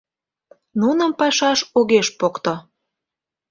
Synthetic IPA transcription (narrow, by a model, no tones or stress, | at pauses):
nunə̆mpɑʃɑʃoɣeʃpokt̪o